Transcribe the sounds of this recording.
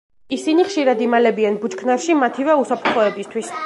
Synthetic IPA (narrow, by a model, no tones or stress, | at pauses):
isiniχʃiɾad̪imalɛbianbut͡ʃkʰnaɾʃimat̪ʰivɛusapʰɾt̪χɔɛbist̪ʰwis